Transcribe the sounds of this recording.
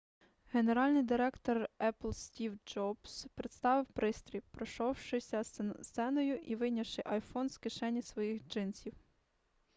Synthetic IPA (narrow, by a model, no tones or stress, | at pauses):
ɦeneɾɑlʲnɪjd̪ɪɾɛkt̪ɔrɛplˠsʲtʲiwd͡ʒɔbspɾet̪st̪ɑʋɪwpɾɪst̪ɾʲiwpɾɔʃɔwʃɪsʲɐssɛnɔjʊʔiʋɪjnʲɐʃɪʔɐjfɔnskɪʃɛnʲːisʋɔjixd͡ʒɪnt͡sʲiw